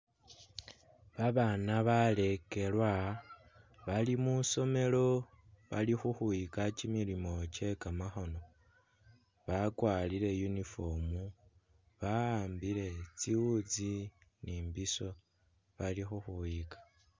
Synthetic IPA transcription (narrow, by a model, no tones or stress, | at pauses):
βaβanaβale̞ke̞lwa | βalimuso̞me̞lo̞ | βa̰lixuxuikacimilimo̞ce̞kamaxo̞no̞ | βakwaːlile̞junifo̞mu | βaaːmbile̞t͡siwud͡ziniːmbiso̞ | βalixuxuikḁ